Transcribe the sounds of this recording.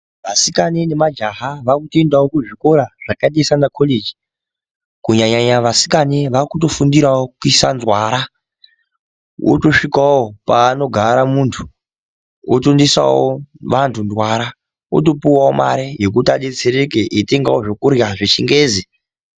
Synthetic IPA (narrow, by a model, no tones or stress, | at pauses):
ʋasikanenemad͡ʒaɦaʋakutoendawokuʐiko̞ɾaʐ̥akaɗesanakʰoled͡ʒi̥ | kuɲaɲaɲaʋasi̥kaneʋakuto̞fundiɾaokuisanzwaːɾa | wo̰to̞ʂikawopaːno̞ɡʱaɾamuntʰu̥ | o̰tondisa̰wo̰ʋantʰundwaɾa | o̰to̞piwaoma̰ɾejek̬utiaɗe̞t͡seɾekeʔite̞ŋɡawoʐokuɾjaʐet͡ʃiŋɡeːzi